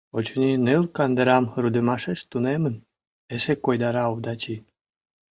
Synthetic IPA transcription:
ot͡ɕonʲinelkɑnd̪əɾɑmrud̪ə̆mɑʃeʃt̪unemən | esekojd̪ɑɾɑud̪ɑt͡ɕi

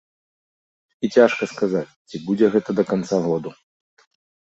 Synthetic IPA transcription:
it͡sʲaʂkɐskazat͡sʲt͡sʲibud͡zʲɛɣɛt̪ɐd̪ɐkant̪saɣɔd̪u

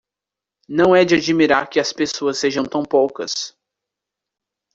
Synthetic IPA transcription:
nɐ̃w̃ɛd͡ʒɪad͡ʒimiɾaɾkɪɐspesoɐsːeʒɐ̃w̃t̪ɐ̃w̃powkɐs

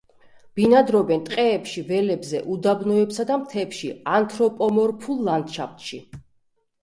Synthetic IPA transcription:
b̥inad̪ɾɔbɛnt̪ʼqʼɛːpʃivɛlɛbzɛʔud̪abnɔɛpsad̪amt̪ʰɛpʃiant̪ʰɾɔpʼɔmɔɾpʰulˠːand̪ʃapt̪ʃi

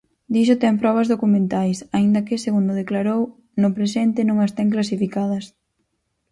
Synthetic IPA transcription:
d̪iʃʊt̪ɛmpɾɔβ̞ɐzðokumẽnt̪ajsaind̪ɐkɪseɣund̪ʊðeklaɾow | nʊpɾesɛnt̪ɪnõŋast̪ɛŋk̬lasifikað̞ɐs

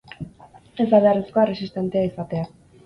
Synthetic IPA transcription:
ezaβeareskoere̞sist̪e̞nt̪eaisat̪e̞a

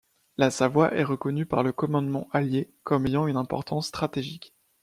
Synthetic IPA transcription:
lasavwaʔɛʁəkɔnypaʁləkɔmɑ̃d̪mɑ̃ʔalje | kɔmejɑ̃ynɛ̃pɔ̰ʁt̪ɑ̃sːt̪χat̪eʒik

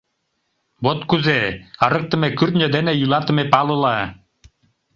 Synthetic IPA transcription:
bot̪kuzeɑɾɯk̚t̪ɤ̆mekyɾt̪nʲœd̪enejulˠɑt̪ɯ̆mepɑlˠɯlˠɑ

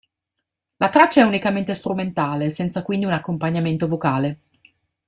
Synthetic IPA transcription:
lat̪ɾat͡ʃːaɛunikament̪est̪ɾument̪aːlesɛnt̪sakwind̪iunakːompaɲːament̪ovokaːle

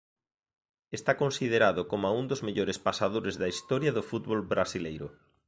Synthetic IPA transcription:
est̪akonsið̞eɾaðʊkomʊaund̪ozmeʎoɾespasaðoɾezðɐist̪ɔɾjɐðʊfut̪βolbɾasilejɾʊ̰

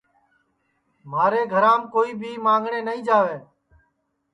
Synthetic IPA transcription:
maːɾeːɡʱəɾãːmkoːiːbʱiːmãːŋɡʱɳeːnəĩːd͡ʒaːʋeː

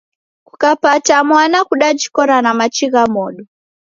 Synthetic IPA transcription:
ku̥kapatamwanakuɗat͡ʃi̥kɔɾanamat͡ʃiɣamɔɗɔ

